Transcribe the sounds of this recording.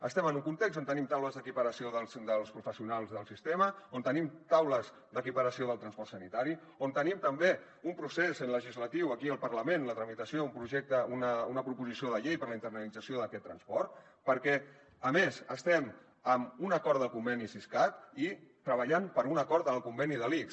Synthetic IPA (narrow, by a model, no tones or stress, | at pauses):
ə̰st̪ɛmənuŋkunt̪ekzont̪ənimt̪awləzðəkipəɾəsioðəlˠzd̪əlˠspɾufəsiunalˠzðəlˠsist̪eməont̪ənimt̪awləz | d̪əkipəɾəsioðəlˠt̪ɾənspɔrt̪sənit̪aɾi | ont̪ənimt̪əmbe | umpɾusezənləʒizlət̪iwəkiəlˠpəɾləmenlət̪ɾəmit̪əsioumpɾuʒɛk̚t̪əunəunəpɾupuzisioðəʎejpəɾləint̪ərnəlid͡zəsioðəkɛt̪ːɾənspɔɾt̪ | pəɾkɛ | əmezəst̪ɛm | əmunəkɔɾt̪əlˠkumbɛnisiskat̪it̪ɾəβ̞əʎampəɾunəkɔɾt̪əlˠkumbɛniðəliks